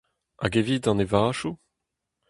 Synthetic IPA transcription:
a̰ɡevid̪ɑ̃nevaʃu

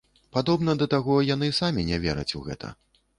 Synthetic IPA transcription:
pad̪ɔbnɐd̪ɐt̪aɣɔjan̪ɨsamʲinʲɛvʲɛɾɐ̰t͡sʲuɣɛ̰t̪ʰɐ̰

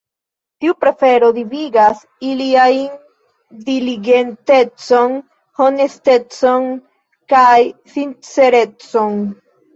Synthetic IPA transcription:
tiupɾe̞fe̞ɾo̞diviɡas | iliajn | diliɡe̞nte̞t͡so̞n | ho̞ne̞ste̞t͡so̞n | kajsint͡se̞ɾe̞t͡so̞n

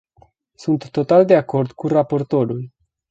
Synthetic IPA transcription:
sunt̪ːo̞t̪ald̪eako̞rd̪kurapo̞rt̪o̞ɾul

